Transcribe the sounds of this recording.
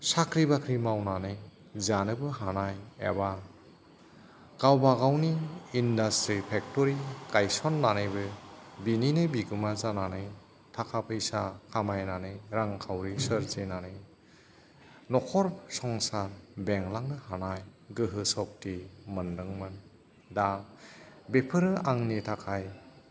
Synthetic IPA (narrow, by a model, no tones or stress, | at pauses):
sakʰɾibakʰɾimawnanɯj | zanɯbɯɦanajḛba | kawbaɡawniːndastɾipʰek̚tɔɾikajsɔnːanɯjbɯbininɯbiɡɯmazananɯj | tʰakʰapʰɯjsakʰamajnanɯjɾaŋkʰawɾisɯɾzenanɯj | nɔkʰɔɾsɔŋsaɾbeŋlaŋnɯhanajɡɯɦɯsɔk̚timɯndɯŋmɯn | da | bepʰɯɾɯaŋnitʰakʰaj